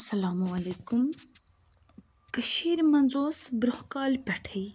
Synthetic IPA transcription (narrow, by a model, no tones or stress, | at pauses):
sɐlaːmuɐlekum | kəʃiːɾmɐnzoːsbɾʊhkɑːlpʲɐʈʰəj